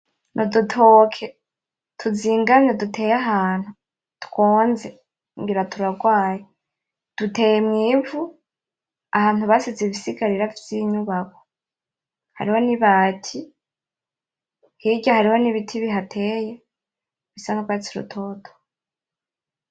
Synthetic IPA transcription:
nʔodutʰoːkʰe | tʰuziːŋɡamɲodutʰe̞ːjaɦaːn̥hu | tu̥koːnze | ŋɡiɾatʰuɾaɡwaːje | d̥ute̞ːjemŋiːvu | ahaːn̥huβasiziβisiɡaɾiɾavjiːɲuβakʰo̥ | ha̰ɾiho̞niβaːtʰi | hiɟahaɾiho̞niβitʰiβiɦatʰe̞ːje | βisanokwat͡siɾṵtʰo̞ːtʰo̥

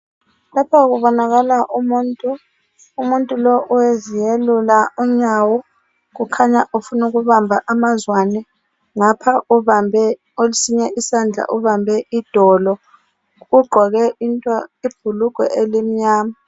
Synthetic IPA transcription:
lapʰaɣuβɔnaɣalaʔumuntʼuː | muntʼulɔʔuwezijelulaum̩ɲawɔ | ɣukʰaɲaʔufunuɣuβambʱaʔamazwanɛ | ŋapʰauβambʱɛ | olisiɲɛʔisand͡ɮʱa̰ʔuβambʱɛʔid̥ʱɔlɔ | ɣuɡ͡ǃʱɔɣɛintʼaib̥ʱuluɡ̥ʱɛ̰ʔelim̩ɲaːma

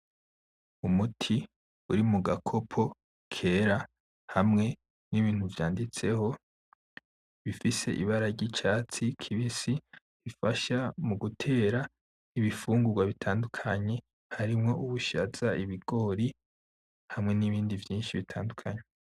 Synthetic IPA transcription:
umutʰi | ṵɾimuɡakʰo̞pʰo̞ | kʰe̞ːɾa | hamŋe̞ | niβiːn̥huvjaːndit͡se̞ho̞ | βifise̞̰ʔḭβaɾaɟit͡ʃaːt͡sikʰiβisi | ifaʃamuɡutʰe̞ːɾa | iβifuːŋɡuɡwaβitʰaːndukʰaɲe̞ | haɾimŋo̞ʔuβuʃa̰z̥aiβiɡ̥o̞ːɾi | hamŋe̞niβiːndivjiːnʃiβitʰaːndukʰaɲe

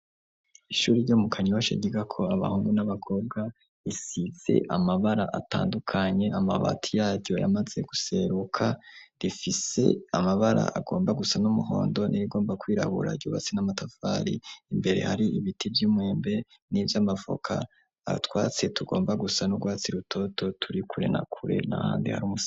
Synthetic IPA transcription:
iʃuːɾiɾɟoːmukʰaɲo̞ʃa̰ɟiɡakʰo̞aβa̰huːŋɡunaβakʰo̞b̚ɡa | isiz̥e̞̰ʔamaβaɾaʔata̰ːndukʰaɲe̞amaβa̰tʰijaːɾɟo̞jʔa̰maz̥e̞ɡuse̞ɾukʰadifise̞̰amaβaɾa̰ʔaɡo̞ːmbaɡusanumuɦo̞ːndo̞nʔiɾiɡo̞ːmbakwiːɾa̰βṵɾa̰ɟuβat͡senamatafaːɾḭːmbe̞ɾe̞̰haɾiiβitivjiːmwe̞ːmbe̞ | nivjamavo̞̰kʰa̰ | twaːt͡se̞tuɡo̞ːmbaɡusanuɡwaːt͡siɾutʰo̞to̞tuɾikuɾḛna̰kʰuɾḛna̰ha̰ːndḭha̰ɾuːmus

